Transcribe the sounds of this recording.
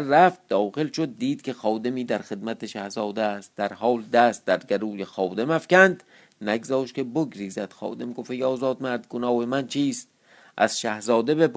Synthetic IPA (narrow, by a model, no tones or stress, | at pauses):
æft̪̚d̪ɒːχelʃod̪ːiːd̪̚kʲʰexɒːd̪emiːd̪æɾxe̞d̪mæt̪ʰeʃæhzɒːd̪est̪̚d̪æɾhɒːld̪æst̪̚d̪æɾɡæɾuːjexɒːd̪emæfkʲænd̪ | næɡzɒːʃkʲe̞boɡɾiːzæd̪̥xɒ̰ːd̪emɡofeɡɒːzɒːd̪mæɾd̪ɡonɒːemænt͡ʃʰiːst̪ | ʔæ̰z̥ʃæhzɒːd̪ebep